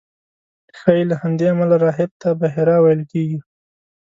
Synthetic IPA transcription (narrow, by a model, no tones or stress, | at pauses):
xɑjelahamd̪eamalaɾɑɦɪb̚t̪abaɦɪɾɑwajəlkeɡi